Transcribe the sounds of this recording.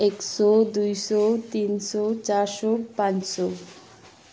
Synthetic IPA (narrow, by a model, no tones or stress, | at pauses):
ekʃɔd̪ujʃɔt̪inʃɔt͡ɕaɾʃopãnʃo